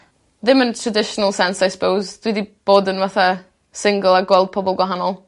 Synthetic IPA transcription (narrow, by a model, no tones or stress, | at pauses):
ðɪməntʰradɪʃɔnəlˠsɛnsajsə̥pʰowzd̥widib̥oːdənvaθa | sɪŋɡəlˠaɡwɛlˠd̚pʰɔbɔlˠɡwaɦanɔlˠ